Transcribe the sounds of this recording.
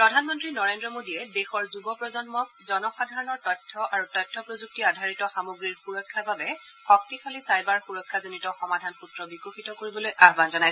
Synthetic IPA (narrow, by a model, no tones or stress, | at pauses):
pɹɔdʱanmɔntɹinɔɹendɹɔmodiɛdexɔɹzubɔpɹɔzɔnmɔk̚zɔnɔxadʱaɹɔnɔɹtɔjtʰːɔʔaɹutɔjtʰːɔpɹozuk̚tiadʱaɹitɔxamoɡɹiɹxuɹɔkʰːababɛ | xɔk̚tikʰalisajbaɹxuɹɔkʰːazinitɔxɔmadʱanxutɹɔbikoxitɔkoɹibɔlojʔaɦɔbanzɔnajsɛ